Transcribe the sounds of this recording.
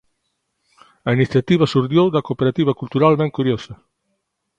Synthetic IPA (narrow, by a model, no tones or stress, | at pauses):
ainiθjat̪iβasuɾðjowd̪ɐkopeɾat̪iβɐkult̪uɾalmẽŋkuɾjosɐ